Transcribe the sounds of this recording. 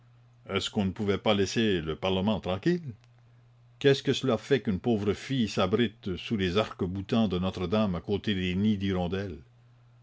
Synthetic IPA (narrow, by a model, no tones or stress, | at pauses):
ɛskɔ̃nəpuvɛpalɛseləpaʁləmɑ̃t̪ʁɑ̃kʲil | kɛskəsəlafɛkynpoːvʁəfijsabʁit̪sulezaʁkəbut̪ɑ̃d̪ənɔt̪ʁəd̪amakot̪ed̪enid̪iɾɔ̃d̪ɛl